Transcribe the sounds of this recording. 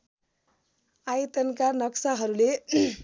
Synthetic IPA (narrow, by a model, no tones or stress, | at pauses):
ajt̪ʌnkanʌksaɦʌɾule